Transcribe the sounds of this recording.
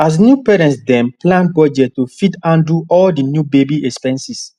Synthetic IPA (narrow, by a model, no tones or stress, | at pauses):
as̬njupɛɾɛ̃ntsdɛ̃mplãnbɔd͡ʒɛttofidãnduʔɔldinjubebiɛkspɛ̃nsis